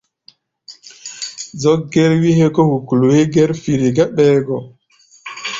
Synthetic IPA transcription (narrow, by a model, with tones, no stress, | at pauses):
zɔ˦k̚ɡe˦ɾwi˦ɦe˦kɔ˦hu˨ku˨lu˨he˦ɡe˦ɾfi˨ɾi˨ɡa˦ɓɛː˦ɡɔ˨